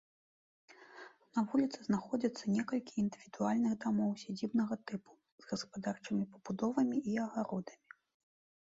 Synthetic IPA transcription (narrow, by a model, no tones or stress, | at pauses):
nɐvulʲit̪sɨznaxɔd͡zʲɐt̪sːɐnʲɛkɐlʲkʲiːnd̪ɨvʲid̪ualʲnɨɣd̪amɔwsʲad͡zʲibnɐɣɐt̪ɨpu̥ | zɣɐspad̪art͡ʂɨmʲipɐb̥ud̪ɔvɐmʲiʔiɐɣaɾɔd̪ɐmʲi